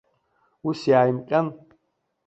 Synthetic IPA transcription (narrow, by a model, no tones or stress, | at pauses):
usjaːjimkʼɐn